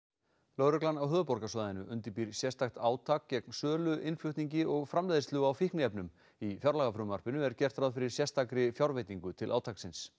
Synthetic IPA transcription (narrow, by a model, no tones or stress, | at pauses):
lœwɾʏklanːawɦœːðʏpɔɾkasɔðaðɪnʏʔʏnt̪ɪpiɾ̥sjɛst̪axt̪aːwt̪ʰakcɛknsœːlʏʔɪnfljʏht̪niɲcɪʔɔɣfɾamlɛːðɪst̪lʏɣawfihknɪɛpnʏm | ifjawɾlaːɣafɾʏmar̥pɪnʏɛɾcɛr̥t̪ɾaðfɪɾɪɾ̥sjɛst̪akɾɪfjawɾvejt̪iŋkʏt̪ʰɪla̰ːwt̪ʰaksɪns